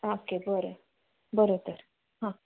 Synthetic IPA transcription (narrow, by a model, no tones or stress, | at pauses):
akebəɾe | bəɾot̪əɾ | ɦã